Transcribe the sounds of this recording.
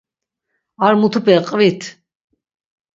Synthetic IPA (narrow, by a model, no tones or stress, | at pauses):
aɾmut̪ʰupɛqʼvit̪ʰ